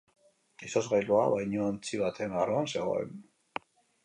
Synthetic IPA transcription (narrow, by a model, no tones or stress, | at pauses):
isozɣajloaβajɲoant͡siβat̪e̞naroanse̞ɣ̞o̞̰ḛn